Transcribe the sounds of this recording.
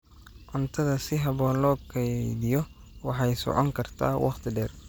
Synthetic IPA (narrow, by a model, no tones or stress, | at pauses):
ʕʊnt̪ʰɐðɐsɪɦɐβɔːnlɔːkʰɛðɪjɔ | wɑħɑjsɔ̰ʕɔŋkʰɐrt̪ʰa̰ːwʔɑ̰χt̪ʰɪɖɛːr